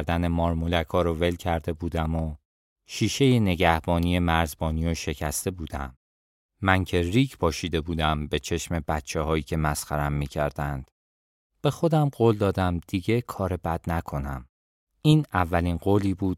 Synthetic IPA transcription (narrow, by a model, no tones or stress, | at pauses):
ɾd̪ænemɒːɾmulækʰɒːɾove̞lcʰæɾd̪e̞buːd̪æmo | ʃiːʃe̞jene̞ɟæhb̥ɒːnije̞mæɾzbɒːniːoʃe̞cʰæst̪e̞buːd̪æ̰mː | æncʰe̞riːcʰpʰɒːʃiːd̪e̞buːd̪æmbe̞t͡ʃʰe̞ʃme̞bæt̪t͡ʃʰehɒːiːcʰe̞mæsxæɾæmːiːcʰæɾd̪̥ænd̪̥ | b̥e̞xo̞d̪æmɢoːld̪ɒːd̪æmd̪̥iɟe̞kʰɒːɾe̞bæd̪̥nækʰo̞næm | iːnævːælinɢoːliːbuːd̪̥̚